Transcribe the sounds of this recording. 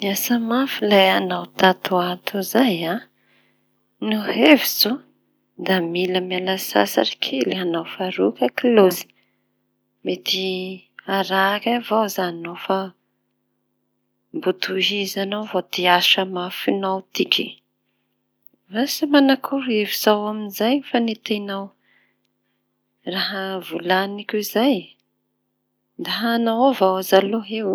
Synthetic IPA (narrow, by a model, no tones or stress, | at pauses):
miasəmafilajanawt̪at̪uat̪uzaja | nuhevizo | d̪amiləmialasa̰sa̰ɾi̥kʰilianawfaɾukəkilozi̥ | met̪iaɾakavawzanofa | mbut̪uɦizanowvot̪iaʃamafinawt̪ikʲʰi | rasimanakʰuɾevizawaminzajfanit̪enaw | raɦəvulanikʲizaj | d̪aɦanawavawazaloɦew